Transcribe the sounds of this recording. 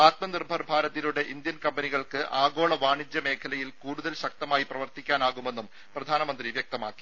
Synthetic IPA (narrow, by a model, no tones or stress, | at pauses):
aːt̪mɐnirbʱɐrbʱaːɾɐðiluɽe̞ʔind̪jɐnkɐmbɐniɣɐɭkɨʔaːɡo̞ːɭɐʋaːɳid͡ʑjɐme̞ːkʰɐlɐjilkuːɽuðɐlɕɐk̚t̪ɐmaːjiprɐʋɐrt̪ikʲːaːnaːɣume̞nːum | prɐd̪ʱaːnɐmɐnd̪riʋjɐk̚t̪ɐmaːkːi̥